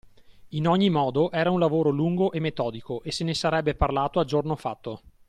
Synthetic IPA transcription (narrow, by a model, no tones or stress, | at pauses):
inɔɲːimɔːd̪oʔɛːɾaunlavoːɾoluŋɡoʔemːet̪ɔːd̪ikoʔesenesaɾɛbːeparlaːt̪oad͡ʒornofat̪ːo